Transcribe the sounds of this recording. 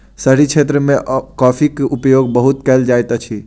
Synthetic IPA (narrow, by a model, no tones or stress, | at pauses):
səɾikt͡ʃʰet̪̬ɾəmẽʔkɔːpʰikʔupjoɡbəɦut̪kɛld͡ʒajt̪at͡ʃʰi